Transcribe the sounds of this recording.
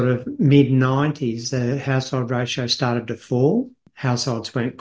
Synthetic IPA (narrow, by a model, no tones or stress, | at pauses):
ɾʌvmɪdⁿnãɪ̃ntʰizðɨhaʊshoʊlˠd̚ɹeɪʃoʊstɑɹɾɨd̪̚ðɨfɔ | haʊshoʊlˠdzwɛ̃nkʰ